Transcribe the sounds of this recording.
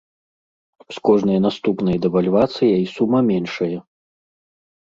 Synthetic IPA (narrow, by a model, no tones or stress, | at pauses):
skɔʐnɐjɐnast̪upnɐjɐd̪ɛvalʲvat̪sɨjɛisumɐmʲɛnʂɐjɐ